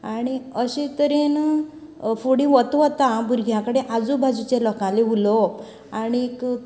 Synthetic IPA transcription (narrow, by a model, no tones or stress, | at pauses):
aɽ̃iəɕet̪əɾen | fuɽĩʋət̪ʋət̪ãbuɾɡʱjãkəɽeʔad͡zubʱad͡zut͡ɕelɔkãleɦulɔ | aɽ̃ik